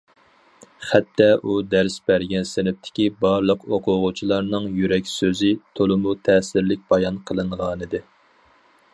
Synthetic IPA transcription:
χæt̪ʰːɛʔud̪æɾsbæɾɡʲɛnsɪnɪp̚t̪ʰɪ̥kʲibɑɾlˠəqoqʰʊʁʊt͡ʃʰilˠɑɾnɨŋjyɾɛkʲsøzɪt̪ʰolˠʊmut̪ʰɛːsɪɾlɪk̚ʲbɑjɑnqʰəlˠɨɴʁɑːnɨd̪ɨ

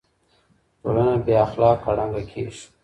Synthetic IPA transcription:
ʈo̰lanabeaxlɑːkːaɽaŋɡakʰeʂ

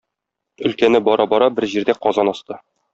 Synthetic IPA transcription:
ɵ̆lkænɘbɒɾɑbɒɾɑbɘɾʑiɾd̪æqɒzɑnɒst̪ɤ

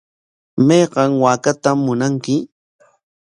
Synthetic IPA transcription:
mejɢɑŋwaːkat̪amːʊnaŋkɪ

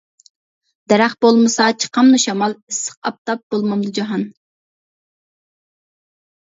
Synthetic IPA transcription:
d̪̥ɛɾæχbolˠmɨsɑt͡ʃʰə̥qʰɑmnuʃɑmɑlˠisːə̥q̚ɑp̚t̪ɑp̚b̥olˠmɑmd̪ud͡ʒɑɦɑn

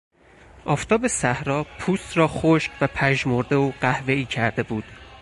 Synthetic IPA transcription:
ʔɒːft̪ʰɒːbe̞sæhɾɒːpʰuːst̪ɾɒːxoʃcvæpʰæʒmoɾd̪eoɢæhve̞iːcʰæɾd̪e̞buːd̪̥

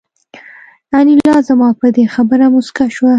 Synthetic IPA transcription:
anilɑzamɑpəd̪exabəɾamʊskaʃwa

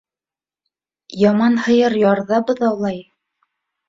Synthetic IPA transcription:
jɑmɑnhɤ̆jɤɾjɑɾðɑbɤðɑwlˠɑj

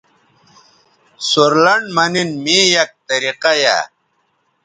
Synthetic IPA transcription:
suɾlɐɳmɐninmijɐk̚t̪ɐɾiqaja̰

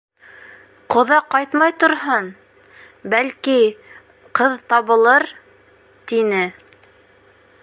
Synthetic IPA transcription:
qŏðɑqɑjt̪mɑjt̪ŏɾɦɤn | bælki | qɤðt̪ɑβɤ̆lˠɤɾ | t̪inɘ

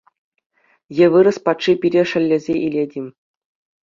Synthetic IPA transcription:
jɘ̆ʋɯɾɤ̆spɑt̪ʂipʲiɾʲeʂɘ̆lʲːɘ̆zʲeʔilʲedʲimʲ

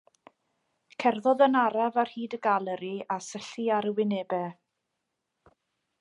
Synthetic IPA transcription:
kʰɛrðɔðənaɾavar̥hiːdəɡalˠəɾiasəɬiaɾəwɪnɛːbɛ

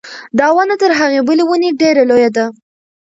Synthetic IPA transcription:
d̪ɑwanat̪əɾɦaɣebəlewəneɖeɾalojad̪a

